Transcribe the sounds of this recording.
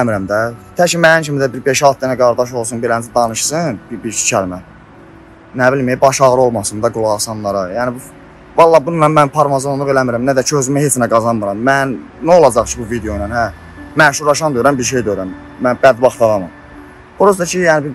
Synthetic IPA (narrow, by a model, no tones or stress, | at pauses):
æmiɾæmd̪æt̪ʰæt͡ʃimænint͡ʃʰimid̪æbiɾbeʃɑlˠt̪̚ʰd̪ænæɡɑɾd̪ɑʃ̬o̞lˠsunbiɾænzæd̪ɑnɯʃsɯnbibiɾt͡ʃʰi̥t͡ʃʰælmæ | næbilmibɑʃɑɣɾɯo̞lˠmɑsɯnd̪ɑɡulˠɑʁsɑnlˠɑɾɯjænibu | vɑlˠːɑbununɑnmænpʰɑɾmɑzond̪uʁe̞læmiɾæmnæd̪æt͡ʃʰøzymæhet͡s̪ʰinæɡɑzɑnmɯɾɑmːænːæo̞lˠɑd͡ʒɑχt͡ʃʰibuvid̪eonænhæ | mæʃuɾɑʃɑnd̪øjɾæmbiɾʃ̬ejd̪øjɾæm | mænbæd̪bɑχt̪ʰɑɾɑmɯm | buɾuzd̪ɑt͡ʃʰijæːnibiɾ